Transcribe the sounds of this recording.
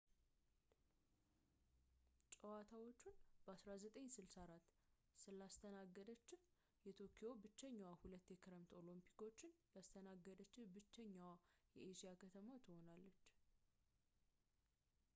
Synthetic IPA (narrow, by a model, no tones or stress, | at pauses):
t͡ʃʼəwat̪ʰawo̞t͡ʃːunb̥əasɾazət̪ʼəɲːsɨlsaɾat̪ː | sɨlːast̪ʰənaɡːəd̪ət͡ʃːɪh | jɛt̪ʰokʰijo̞bɨt͡ʃːɛɲːawahulət̪ːjɛkʰɨɾəmt̪o̞limpʰi̥ko̞t͡ʃːɪnjast̪ʰənaɡːəd̪ət͡ʃːɪbɨt͡ʃːɛɲːawajɛʔeʃijakʰət̪ʰəmat̪ʰɨho̞nalːət͡ʃː